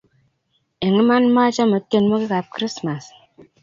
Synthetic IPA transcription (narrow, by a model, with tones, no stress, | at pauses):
e˨ŋi˦ma˦nma˦t͡ʃa˦mə˨tːe˦˨nmo˦ki˦ka˨p̚kɾi˦sma˨s